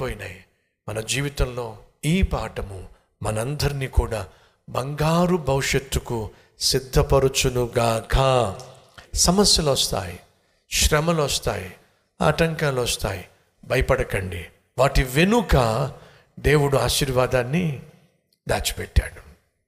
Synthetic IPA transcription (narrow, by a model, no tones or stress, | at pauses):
poːjinaji | mɐnɐd͡ʒiːʋit̪ɐmlo̞ːiːpaːʈɐmu | mɐnɐnd̪ɐɾiniːkuːɽaː | bɐŋɡaːɾubʱɐwuʂɐt̪ːuku | sid̪ʱːɐpɐɾut͡ʃunuɡaːkʰɐ | sɐmɐsjɐlɐst̪a̰ːji | ʃɾɐmɐlɐst̪a̰ːji | a̰ːʈɐŋkaːlɐst̪a̰ːji | bɐjɐpɐɽɐkɐɳɖi | ʋaːʈiʋenukɐ | d̪e̞ːwuɽuaːʃiːɾʋaːd̪aːnːi | d̪aːt͡ʃi̥pɛʈːa̰ːɽu̥